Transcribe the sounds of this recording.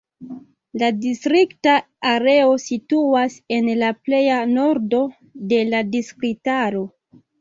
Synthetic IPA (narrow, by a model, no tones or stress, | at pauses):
ladistɾiktaː | ɾe̞o̞situase̞nlaple̞jano̞ɾdo̞ | de̞ladiskɾitaɾo̞